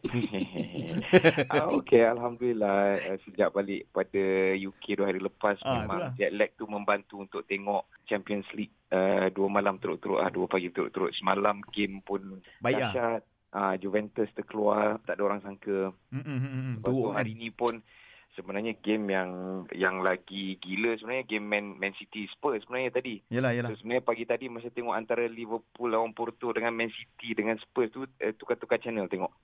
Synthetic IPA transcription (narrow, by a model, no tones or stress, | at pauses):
aokealɦamdulilaəsəd͡ʒaʔbalɪʔpadajukʰeduəɦaɾiləpasmemãŋŋt̪iat̪̚lɛk̚t̪umə̃mbant̪uːnt̪ʊk̚t̪eŋɔʔt͡ʃɛmpiɔnslit̪̚əduəmalamt̪uɾʊ̰ʔt̪uɾʊ̰ʔ̪la̰duəpaɡit̪uɾʊ̰ʔt̪uɾʊt̪̚səmalamɡɪmpʊnaʃat̪̚ | ad͡ʒuvɛnt̪əst̪əkəluat̪aʔdəoɾaŋsaŋkə | əbat̪uɦaɾinĩpʊnsəbənaɲaɡɪmjaŋjaŋlaɡiɡiləsəbənaɲaɡemːɛnmɛ̃nsit̪isə̥pəsəbənaɲat̪adijsosəbənaɲapaɡit̪adiməɾas̬ət̪eŋɔʔant̪aɾalivəpulːawanpurt̪udəŋanmɛnsit̪idəŋãnspəst̪uət̪ukat̪ːukat̪̚t͡ʃɛnəlt̪eŋɔʔ